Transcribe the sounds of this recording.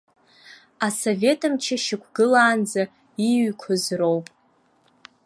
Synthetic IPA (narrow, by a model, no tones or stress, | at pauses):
aso̞vʲe̞tʰɨmt͡ʃʰaʃɪkʷʰɡɨlaːnd͡za | iɥkʷʰʊzro̞wpʼ